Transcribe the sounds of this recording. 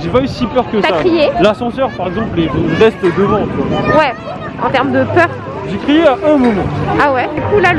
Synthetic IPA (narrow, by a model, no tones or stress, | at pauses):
ʒepaysipœʁkəsaaχijelasɑ̃sœʁpaʁɛɡzɑ̃plelelʁɛst̪d̪əvɑ̃t̪ãwɛ | ɑ̃t̪ɛʁmd̪əpœʁ | ʒekχijeaʔɛ̃mɔmɑ̃awɛd̪ykula